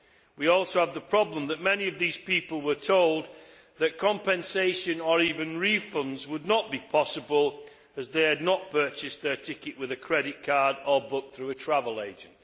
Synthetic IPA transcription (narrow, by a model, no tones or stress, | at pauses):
wiɔˑlˠsoʊəvðəpʰɹ̥ɑblə̃mðəʔ̚mɛniʌvðiz̥pipəlˠwə˞tʰoʊlˠd̪̚ | ðɨt̚kʰɑ̃mpɛ̃nseɪʃɨ̃nə˞ivɨ̃nɹifʌ̃ndzwədⁿnəʔ̚b̥ipʰɒsəbəlˠ | əzðeɪɨdⁿnəʔ̚pʰɜ˞t͡ʃɪsðə˞tʰɪkɨʔwɨðɨkʰɹ̥ɛɾɪʔ̚kʰɑɹdə˞bʊk̚θɹʉətʰɹ̥avəlˠeɪd͡ʒɨ̃n̩t